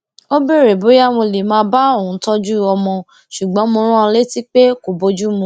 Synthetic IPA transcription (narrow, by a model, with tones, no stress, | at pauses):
o˦be˦˨ɾe˨bo˨˦ja˦m̃o˧le˨mãː˧ba˦o˦˨ũ˨˦tɔ˦d͡ʒu˦ɔ˧mɔ̃˧ | ʃu˨ɡ͡bɔ̃˨˦mo˧ɾ̃ũ˦ã˦˧le˦ti˦k͡pe˦ko˨bo˧˦d͡ʒu˦mũ˧